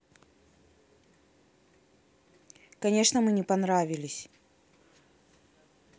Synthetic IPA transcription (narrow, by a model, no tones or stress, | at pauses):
kɐnʲe̞ʂnəmɨnʲɪpɐnɾavʲɪlʲɪsʲ